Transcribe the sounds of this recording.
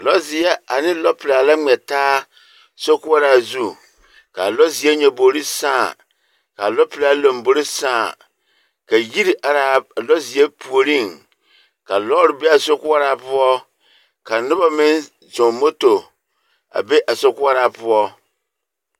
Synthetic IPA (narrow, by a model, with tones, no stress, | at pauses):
lɔ˦zɪ˨ɛ˦a˨nɪ̃˦lɔ˦pʰla˨la˦ŋɛ˨tʰaː˦ | sɔ˦kʊ˦a˦ɾa˨zu˦ | kʰa˨lɔ˦zɪ˨ɛ˦ɲã˨bo˨ɾi˦sã˦˨ | ka˨lɔ˦pʰla˨˦lɔ̃˨m̩˨bo˦ɾɪ˦sãː˦˨ | ka˨ji˦ɾa˨ɾa˨lɔ˦zɪ˨ɛ˦pʰu˨o˨ɾĩ˦˨n | kʰa˨lɔ˦ɾɪ˨bɛ˦a˨sɔ˦kʊ˦a˦ɾa˨pʊ˦ɔ˦ | kʰa˨nʊ̃˦bɔ˦mɪ̃˦n | sɔ̃˨˦mo˦to˨ | a̰˨bɛ˦ʔa˨sɔ˨kʊ˦a˦ɾa˨pʰʊ˦ɔ˦